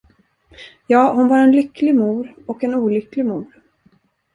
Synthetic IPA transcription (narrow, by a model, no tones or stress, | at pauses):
jɑːhʊnvɑɾɛnlʏkːlɪɡmuːɾɔkɛnuːlʏklɪɡmuːɾ